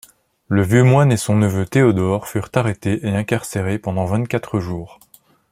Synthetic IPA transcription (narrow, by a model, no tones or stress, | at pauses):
ləvjømwanesɔ̃nəvøt̪eɔd̪ɔʁfyʁt̪aʁet̪eʔeɛ̃kaʁseʁepɑ̃d̪ɑ̃vɛ̃t̪̚kat̪χəʒuːʁ